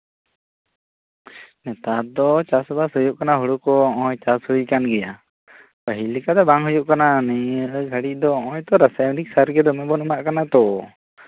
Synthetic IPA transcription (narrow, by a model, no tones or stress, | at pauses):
nɛt̪ad̪ɔt͡ʃasɔbasɦujuʔkanaɦuɽukɔɔ̃jt͡ʃashujkanɡɛja | pəɦilikad̪ɛbaŋɦujuʔkananɛɡʱəɽic̚ˀd̪ɔɔ̃jt̪ɔɾasajmunik̚saɾɡɛd̪ɔmɛbɔnumaʔkanat̪ɔ